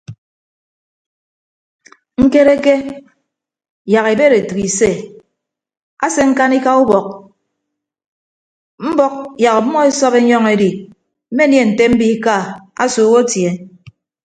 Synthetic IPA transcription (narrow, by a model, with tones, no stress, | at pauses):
ŋ̩˦ke˦ɾe˦ke˦ | ja˨ɣe˨be˦ɾe˨tu˨ki˨se˦˨ | a˦se˦ŋ̩˦ka˦ni˦ka˦u˦bɔ˨k̚ | m̩˦bɔ˦k̚ja˨ka˨˦mɔ˦e˦sɔ˦be˦ɲɔ˦ŋe˦di˨ | m̩˦me˦nje˦˨n̩˨te˦m̩˦bi˦ka˦˨a̰˦soː˨˦wo˦tje˨